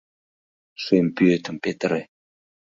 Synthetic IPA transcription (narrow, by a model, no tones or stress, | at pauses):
sempøt̪aŋpet̪are